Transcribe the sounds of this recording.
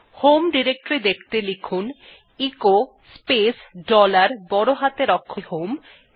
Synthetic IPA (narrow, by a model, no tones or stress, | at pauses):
homɖiɾek̚ʈɾid̪ekʰt̪elikʰun | iko | spesɖɔlaɾbɔɽoɦat̪eɾɔkʰːoɦom